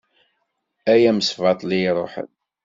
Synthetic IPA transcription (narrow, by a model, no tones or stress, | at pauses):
æjæməsvɑt̪ˤlijɾˤoħə̰n